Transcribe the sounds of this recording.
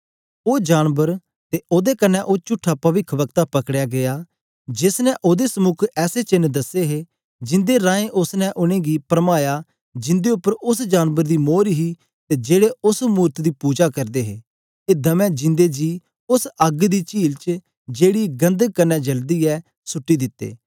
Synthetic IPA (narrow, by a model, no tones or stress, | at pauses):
oːd͡ʒaːnbəɾ | t̪eʔoːd̪ekɐnːɛʔoːt͡ʃʊʈʰːapɐʋɪkʰʋɐkt̪apɐkɽjaɡejaː | d͡ʒɪsnɛ̃ʔoːd̪esəmʊkʰɛːset͡ʃɪnd̪ɐseɦe | d͡ʒɪ̃nd̪eɾãːẽʔʊsnɛ̃ʔʊɽ̃ẽɡipɾmaːja | d͡ʒɪ̃nd̪eʊpːəɾʊsd͡ʒaːnbəɾd̪imoːɾiɦi | t̪ed͡ʒeːɽeʊsmuːɾt̪d̪ipuːd͡ʒakɐɾd̪eːɦeː | eːd̪ɐmɛ̃d͡ʒɪ̃nd̪ed͡ʒiː | ʊsɐɡd̪it͡ʃiːlt͡ʃ | d͡ʒeːɽiɡɐ̃nd̪əɡ̚kɐnːɛd͡ʒɐld̪iːɛ | sʊʈːid̪ɪt̪ːḛː